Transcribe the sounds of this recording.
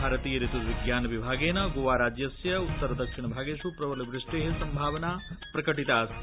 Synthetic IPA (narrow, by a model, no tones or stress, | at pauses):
aːɾɐt̪iːjɐɾit̪ud̪ʋiɡjaːnʋibʱaːɡeːnɐɡoːʋaːɾaːd͡ʒjɐsjɐut̪ːɐɾɐd̪ɐkʂiɳɐbʱaːɡeːʃupɾɐʋɐliʋɾɪʂʈeːɦesɐmbʱaːʋɐnaːpɾɐkɐʈit̪aːs